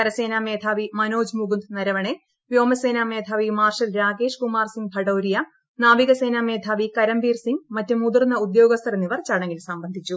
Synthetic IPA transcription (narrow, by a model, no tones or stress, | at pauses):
kɐɾɐse̞ːnaːmeːd̪ʱaːʋimɐno̞ːd͡ʑmuɡund̪nɐɾɐʋɐɳe | ʋjo̞ːmɐse̞ːnaːmeːd̪ʱaːʋimaːrʂɐlɾaːɡe̞ːʂkumaːrsiŋɡbʱɐɽoːɾijɐ | naːʋiɣɐseːnaːmeːd̪ʱaːʋikɐɾɐmbiːrsiŋɡmɐtːɨmud̪urnːɐud̪jo̞ːɡɐst̪ʰɐɾɐnːiʋɐrt͡ɕːaːɳe̞ŋɡilsɐmbɐnd̪ʱit͡ɕːu